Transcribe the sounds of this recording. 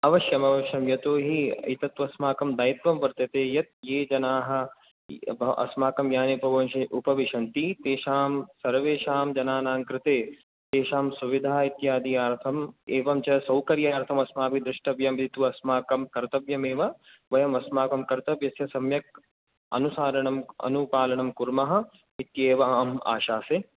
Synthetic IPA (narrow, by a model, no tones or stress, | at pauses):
ɐʋɐʃjɐmɐʋɐʃjɐmjɐt̪oːɦiɐ̰it̪ɐt̪ʋɐsmaːkɐmd̪aːjit̪ʋɐmʋɐɾt̪jɐt̪eːjɐt̪̚jeːd͡ʒɐnaːɦɐ̆ | bʔɐ̰smaːkɐmjaːnepɐʋɐnʃɐʔupɐʋiʃɐnt̪it̪eːʃaːmsɐɾʋeːʃaːmd͡ʒɐnaːnaːŋkɾɪt̪eː | t̪eːʃaːmsuʋid̪ʱaːit̪jaːd̪ijaːɾt̪ʰɐmeːʋɐmt͡ʃɐsɐwkɐɾjaːɾt̪ʰɐmɐsmaːpid̪ɾɪʂʈɐʋjɐmʋid̪ʱit̪uɐsmaːkɐmkɐɾt̪ɐʋjɐmeːʋɐ | ʋɐjɐmɐsmaːkɐmkɐɾt̪ɐʋjɐsjɐsɐmjɐk̚ | ɐ̰nusaːɾɐɳɐmɐ̰nupaːlɐɳɐmkuɾmɐɦɐ̆ | it̪jeːʋama̰ːʃaːse